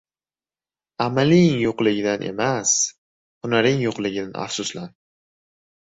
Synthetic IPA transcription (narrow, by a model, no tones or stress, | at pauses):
amalɪŋjoqlˠɪɡʲɪd̪anʔe̞̰mas | hʊnaɾɪŋjoqlˠɪɡʲɪd̪ana̰fsʊslan